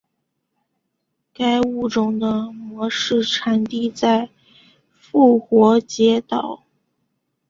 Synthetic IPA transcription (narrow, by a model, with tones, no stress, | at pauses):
ka˥ɪu˥˩ʈ͡ʂʊ˥˩ŋd̪ə˧mwɔ˧˥ʂɻ̩˥˩ʈ͡ʂʰa˧˥nt̪i˥˧t͡sa˥˧ɪ | fu˥˩xwɔ˧˥t͡ɕjɛ˧˥t̪ɑ˨˩˦ʊ